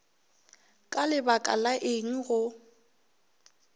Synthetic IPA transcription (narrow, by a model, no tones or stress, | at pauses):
kʼalɪbakʼa̰laʔɪŋ̩ɣʊ